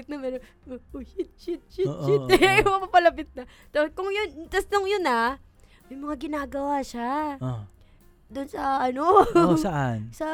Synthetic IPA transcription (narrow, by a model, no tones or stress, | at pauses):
ɪt̪nɐmɛɾo | oohɪt̪̚t͡ʃɪt̪̚t͡ʃɪt͡ʃɪɛmɐmɐpɐlɐbɪt̪̚nɐ | t̪ɐpkʊŋjʊnt̪ɐsnoŋjʊnɐ | mɐjmɐŋaɡɪnaːɡɐwaːʃao | d̪ʊnsɐɐno̞sɐʔansɐ